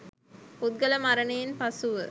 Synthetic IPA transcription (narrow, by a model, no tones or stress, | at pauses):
pud̪̚ɡɐləmaɾənejːnpasuʋə